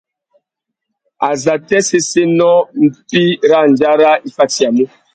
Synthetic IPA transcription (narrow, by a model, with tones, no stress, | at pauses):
a˨za˨tɛ˦se˦se˦nɔ˦m̩˦˨pi˦ɾa˦˨n˨d͡ʒa˦ɾa˦i˨fa˦ti˨a˨mu˦